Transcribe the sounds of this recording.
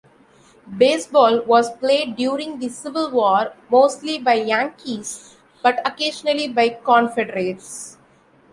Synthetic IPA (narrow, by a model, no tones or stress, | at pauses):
beːsbɔːlʋɔːzpleːɖɖjuːɾɪ̃ŋɡd̪isɪʋɪlʋɔːɾmoːsʈlibaɪjæ̃ŋkʰis | b̥ʌʈɐkeːʃənəlibaɪkɔ̃ːnfɛɖəɾeːʈs